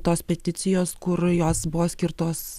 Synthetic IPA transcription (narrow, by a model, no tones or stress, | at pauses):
t̪oːspʲɛt̪ʲɪt̪sʲɪjoːskʊɾjoːsbʊʋoːsʲkʲɪɾt̪oːs